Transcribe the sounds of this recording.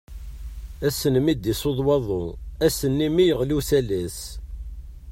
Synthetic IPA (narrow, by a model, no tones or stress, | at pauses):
æsənmid̪isoðˤwɑðˤoæsənːimijəʁlusælæs